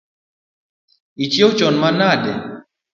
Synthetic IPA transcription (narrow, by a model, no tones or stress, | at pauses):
it͡ʃɛwt͡ʃɔnmanadɛ